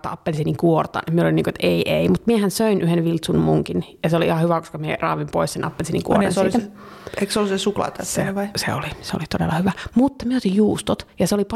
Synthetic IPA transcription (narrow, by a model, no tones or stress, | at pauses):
t̪ɑɑpːelsiniŋkuort̪ɑ̰nmieulolinːiːŋkoet̪eiʔeimut̪miehænsøinʔyhenʋilt̪sunmuŋkinjɑseoliihɑhyʋækoskɑmiḛrɑ̰ːʋimpo̰issenʔɑ̰pːelsinḭŋkṵorɑ̰nssiːt̪æ | eiksolusesuklɑ̰t̪ɑseʋɑisḛo̰liseo̰lit̪odḛlːɑhyʋæmut̪ːɑmieot̪ijjuːst̪ot̪jɑseolip